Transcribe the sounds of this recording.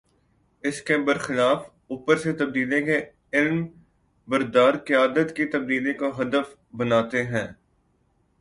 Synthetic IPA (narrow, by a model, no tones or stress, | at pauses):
ɪskebəɾxɪlaːf | uːpəɾset̪ɐb̚d̪iːlẽke | ɪlm | bɐɾd̪aːɾkɪjaːd̪ət̪kit̪ɐb̚d̪iːlekoɦɐd̪əf | bɐnaːt̪eɦɛ̃ː